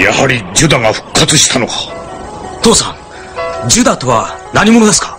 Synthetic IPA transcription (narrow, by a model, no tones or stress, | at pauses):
ja̰haɾʲid͡ʑɨd̪aŋaɸɯ̟̥kʰːat͡sɨɕi̥t̪ʰano̞kʰḁ | t̪o̞ːsãŋ | d͡ʑɨd̪at̪o̞βanaɲ̟imo̞no̞d̪e̞sɨ̥kḁ